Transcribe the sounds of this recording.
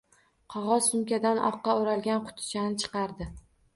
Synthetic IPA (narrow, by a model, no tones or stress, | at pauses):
qʰɒʁɒzsʊmkʲad̪anʔɒ̰qːɑoɾalɡʲanqʰʊ̥t̪ʰɪ̥t͡ʃʰanɪt͡ʃʰɨ̥qɑɾd̪ɪ